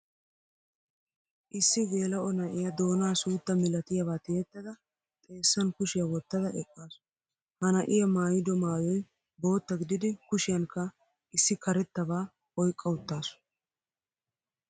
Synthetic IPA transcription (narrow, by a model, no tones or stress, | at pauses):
ʔɪsːɪɡe̞ːlɐʔɔnɐʔɪjɐd̪o̞ːnaːsuːt̪ːɐmɪlɐt̪ɪjɐbaːt̪ɪjɛt̪ːɐd̪ɐ | t̪ʼe̞ːsːɐnkʊʃɪjɐwɔt̪ːɐd̪ɐʔɛkʼːaːs | hɐnɐʔɪjɐmaːjɪd̪ɔmaːjɔj | bo̞ːt̪ːɐɡɪd̪ɪd̪ɪkʊʃɪjɐnkɐ | ɪsːɪkɐɾɛt̪ːɐβaː | ɔjkʼːɐwʊt̪ːaːs